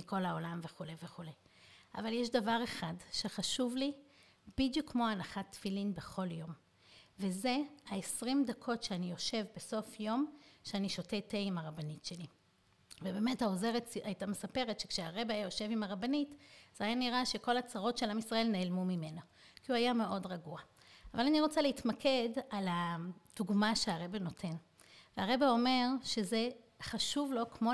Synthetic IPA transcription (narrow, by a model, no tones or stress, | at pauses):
miko̞lao̞lamve̞χulejve̞χule̞j | avaljeʃdavaʁe̞χadʃeχaʃuvli | bidjukmo̞anaχatfilinbe̞χo̞ljo̞m | ve̞ze̞haesʁimdakʰo̞tʃeanijo̞ʃe̞vbe̞so̞fjo̞mʃeaniʃo̞teteimaʁabanitʃe̞li | vebeme̞thaoze̞ʁetajtamesape̞ʁetʃe̞kʃeaʁe̞beajajo̞ʃe̞vimaʁabanitz̥ajaniʁaʃe̞ko̞lat͡saʁo̞tʃe̞lamisʁɐe̞lneːlmumime̞no | kiuajame̞ʔo̞dʁaɡua | avalaniʁo̞t͡saleitmakʰe̞dalad̥uɡmaʃeaʁe̞beno̞tʰe̞n | veaʁe̞beo̞me̞ʁʃe̞ze̞ | χaʃuvlo̞kmo